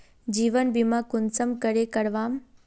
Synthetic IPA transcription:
d͡ʒiːʋənbimãkʊnsəmkəɾekəɽʋaːm

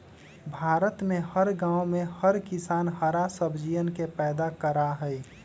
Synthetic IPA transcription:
bʱaːɾət̪mẽhəɾɡãːomẽhəɾkɪsaːnhəɾasəbd͡ʒijənkepɛːd̪akəɾaɦəi

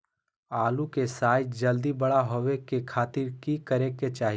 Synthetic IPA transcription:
aːlũkesaːɪt̪d͡ʒɐld̪ibɐɽaɦoʋekekʰaːt̪ɪɾkikəɾeket͡ʃaːɦi

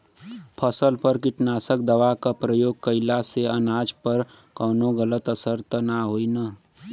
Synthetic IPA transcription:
pʰəsəlpəɾkɪʈnaːsək̚d̪əʋakapɾəjoːɡ̚kəɪlaseənaːd͡ʒpəɾ | kɔːnoɡələt̪əsəɾt̪ənaɦoːina

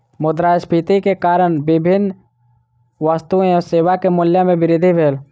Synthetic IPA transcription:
mʊd̪ɾaːspʰit̪ikekaːɾəɽ̃bɪbʱɪnː | ʋaːst̪uẽɔseːʋakemʊljamẽbɪɾɪd̪ʱibʱeːl

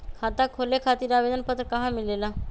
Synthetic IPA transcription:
kʰaːt̪akʰoːlekʰaːt̪iːɾaːʋed͡ʒ̪ənpət̪ɾəkəɦãmɪlelaː

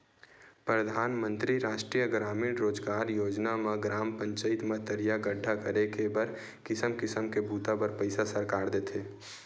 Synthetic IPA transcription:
pɾəd̪ʱaːnmə̃nt̪ɾiɾaːʃʈɾijəɡɾaːmiɽɾoːd͡ʒɡaːɾjoːd͡ʒnameɡɾaːmpə̃ɲt͡ʃəɪt̪met̪əɾijaɡəɖʱːakəɾekebəɾ | kɪsəmkɪsəmkebuːt̪apəɾpəɪsasəɾkaːɾd̪eːt̪ʰeː

